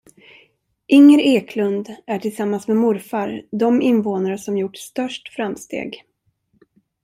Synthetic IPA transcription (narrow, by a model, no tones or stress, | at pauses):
ʔɪŋːəɾeːkʰlɵnd̪æʈʰɪlsamːansmɛmʊɾfaɾd̪ɔmɪnvoːnaɾəsɔmjʊʈːst̪œʂʈfɾamst̪ḛːɡ